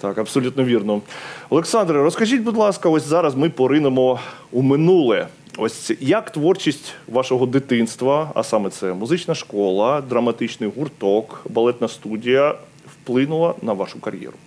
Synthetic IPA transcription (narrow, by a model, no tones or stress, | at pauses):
t̪ɑkɐbsɔlʲut̪nɔʋʲirnɔɔlˠeksɑnd̪ɾɨɾɔskɐʒʲitʲbud̪lˠɑskɐɔsʲzɑɾɐzmɪpɔɾɪnemɔumɪnulˠɛ | ɔsʲjɐkt̪ʋɔrt͡ʃisʲtʲʋɑʃɔɦɔd̪ɪt̪ɪnst̪ʋɐɐ̰sɑmɛt̪sɛmʊzɪt͡ʃnɐʃkɔlˠɐd̪ɾɐmɐt̪ɪt͡ʃnɪjɦurt̪ɔkbɐlˠɛt̪nɐst̪udʲijɐ | wplˠɪnʊlˠɐnɐʋɑʃʊkɐɾʲjɛ̰ɾʊ